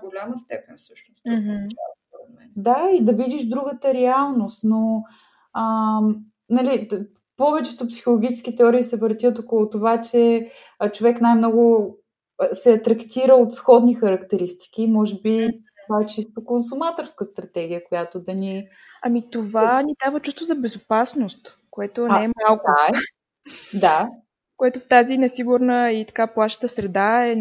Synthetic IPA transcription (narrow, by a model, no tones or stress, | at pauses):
ɡolʲaməst̪ɛpɛnfsəʃnʊs̩t͡ʃat̪vɐmɛd̪aid̪ɐvid̪iʃd̪ɾuɡət̪əɾɛalˠnost̪no | ə | nɐli | pɔvɛt͡ʃɛt̪ʊpsi̥xolˠoɡʲit͡ʃɛskʲit̪ɛɔɾiːsɛvəɾt̪iət̪okolˠot̪ovat͡ʃɛ | t͡ʃovɛknajmnɔɡʊ | sɛɐt̪ɾɐkt̪iɾəot̪sxɔd̪nixɐɾɐkt̪ɛɾist̪i̥kimɔʒɛbit̪t̪ovaɛt͡ʃist̪okons̬umat̪oɾskəst̪ɾɐt̪ɛɡ̟iəkojat̪od̪ɐni | ɐmit̪ovanid̪avət͡ʃust̪vozɐbɛzopasnost̪ | koɛt̪oɛɛmalˠkɛ | d̪a | koɛt̪oft̪azinɛsiɡuɾnəit̪ɐ̥kaplˠaʃə̥t̪əsɾɛd̪aɛ